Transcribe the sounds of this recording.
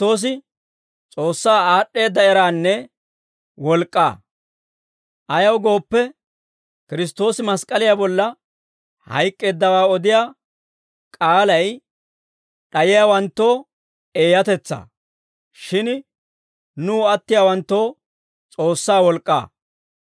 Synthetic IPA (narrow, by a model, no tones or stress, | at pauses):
t̪o̞ːs̬ɪ | t͡sʼo̞ːsːaːaːɗːe̞ːd̪ːɐɛɾaːnːɛ | wɔlkʼːa̰ː | ʔɐjɐwɡo̞ːpːɛ | kɪɾɪs̬t̪o̞ːsɪmɐskʼɐlɪjabɔlːɐ | hɐ̰jkʼːe̞ːd̪ːɐwaːɔd̪ɪjaː | kʼaːlɐj | ɗɐjɪjawɐnt̪ːo̞ː | e̞ːjɐt̪ɛt͡sːa̰ː | ʃɪn | nuːɐt̪ːɪjaːwɐnt̪ːo̞ː | t͡sʼo̞ːsːaːwɔlkʼːa̰ː